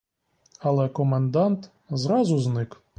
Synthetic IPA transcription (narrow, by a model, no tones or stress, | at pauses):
ɐlˠɛkɔmend̪ɑnt̪ | zɾɑzʊznɪk